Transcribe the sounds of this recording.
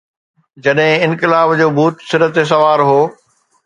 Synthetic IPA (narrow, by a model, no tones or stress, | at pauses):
d͡ʑɐɗɦɪ̃ɪ̃nkɪlaːbd͡ʑoːbʱuːt̪sɪɾət̪es̬ɐʋaːɾɦoː